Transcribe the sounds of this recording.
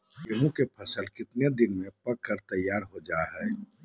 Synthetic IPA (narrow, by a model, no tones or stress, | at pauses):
jeɦũkepʰɐsəlkɪt̪ned̪ɪnmẽpɐkːəɾt̪əjːaːɾɦod͡ʒaːɦɛː